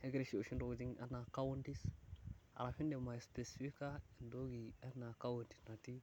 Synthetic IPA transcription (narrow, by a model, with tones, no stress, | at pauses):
e˦ɡɾe˨ʃi˦˨o˨ʃi˦do˨ɡd͡ʒi˦ŋa̰˦na˨ka˦wo˦nti˦s | a̰˨ɾa˨fi˦nde˨ma˨spe˨si˨fi˦ka˦i˨ndo˦ɡi˨a˦na˨ka˦wo˨nti̥˨sna˨ti˦